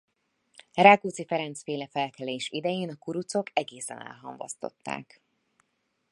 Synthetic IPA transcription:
raːkuːt̪sifɛɾɛnt̪sfeːlɛfɛlkɛleːʃid̪ɛjeːnɒkuɾut̪so̞kɛɡeːsɛ̰nɛ̰lɦɒ̰mvo̰st̪o̞̰t̪ːa̰ːk

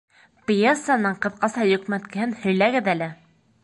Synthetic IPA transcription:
pʲjesːanɤɴqɤ̆ðqɑsɑjɵ̆kmætkɘ̆hɘnhɵ̆jlæɡɘðælɘ

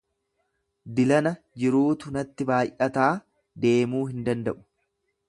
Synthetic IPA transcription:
d̪ɪlɐnɐ | d͡ʒɪɾuːt̪ʊnɐt̪ːɪbaːjʔɐt̪aː | d̪e̞ːmuːɦɪnd̪ɐnd̪ɐʔʊ̥

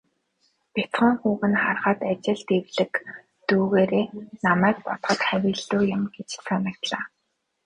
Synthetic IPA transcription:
pʲat͡s̪χə̆ŋχuːʁɘ̆nχarχə̆t̪at͡ɕɪ̆ɮt̪ewɮɘ̆k | t̪uːɣeːɾeːnamæːk̚pɔt̪χɞ̆t̪χæwʲiːɮuːjʊ̆mɡet͡ɕt͡sʰanə̆k̚t̪ɮaː

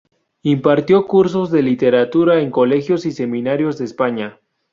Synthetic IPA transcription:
impaɾt̪jo̞kuɾs̬o̞zðe̞lit̪e̞ɾat̪uɾae̞ŋko̞le̞xjo̞sise̞mĩnaɾjo̞zðeːspaɲa

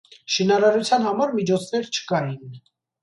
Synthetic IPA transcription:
ʃinɑɾɑɾut͡sʰjɑnhɑmɑɾmit͡ʃʰɔt͡sʰnɛɾt͡ʃʰə̥kɑjin

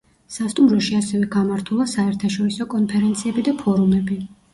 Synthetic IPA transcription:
sast̪ʼumɾɔʃiasɛvɛɡamaɾt̪ʰulˠasaɛɾt̪ʰaʃɔɾisɔkʼɔnpʰɛɾɛnt̪sʰiɛbid̪apʰɔɾumɛbi

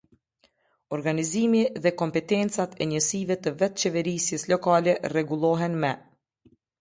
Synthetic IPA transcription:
ɔɾɡanizimiðɛkɔmpɛt̪ɛnt͡sat̪ɛɲəsivɛt̪əvɛt̪t͡ʃɛvɛɾisjɛslɔkalɛrɛɡulˠɔɦɛnmɛ

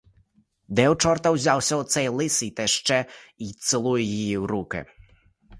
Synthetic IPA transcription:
d̪ɛwt͡ʃɔrt̪ɐwzʲawsʲɐɔt̪sɛjlˠɪsijt̪ɛʃt͡ʃɛit̪sɪlˠujɛjijiwrukɪ̰

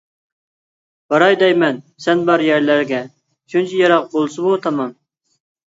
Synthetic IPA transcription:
b̥ɑɾɑjd̪ɛjmɛn | sɛnbɑɾjæɾlæɾɡʲɛ | ʃunt͡ʃʰɛjɑɾɑq̚bolˠsɨbut̪ʰɑmɑm

